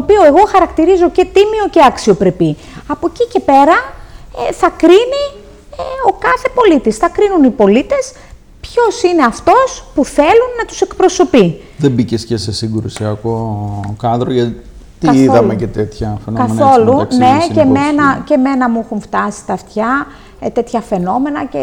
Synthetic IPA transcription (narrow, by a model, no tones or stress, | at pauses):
opio̞e̞ɣo̞xɐɾɐkt̪iɾizo̞ce̞t̪imio̞ce̞ɐksio̞pɾepi | ɐpo̞cice̞pe̞ɾɐ | θɐkɾini | eo̞kɐθe̞po̞lit̪isθɐkɾinunipo̞lit̪e̞s | pço̞sine̞ɐft̪o̞spuθe̞lunːɐt̪u̥se̞kpɾo̞so̞pi | ðembicescese̞siŋɡɾusiɐko̞kɐnd̪ɾoʝɐt̪i | t̪iiðɐmecet̪e̞t̪çɐfenoɐmeno̞luɐnne̞emenɐce̞me̞nɐmuixuɱft̪ɐsi̥t̪ɐft̪çɐ | t̪e̞t̪çɐfe̞no̞me̞nɐce